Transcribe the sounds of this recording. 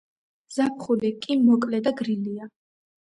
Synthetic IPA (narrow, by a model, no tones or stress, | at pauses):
z̥ap̚ʰχulikʼimɔkʼlɛd̪aɡɾilia